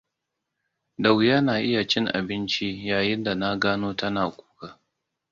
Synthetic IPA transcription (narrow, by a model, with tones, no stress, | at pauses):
da˨wjaː˦naː˨ʔɪ˦ja˨t͡ʃɪ˦ŋʔa̰˨bɪ˦nt͡ʃi˦jaː˨jɪ˦nda˨na˦ɡaː˦noː˦tɐ˦naː˨kʷu̥ː˦kaː˦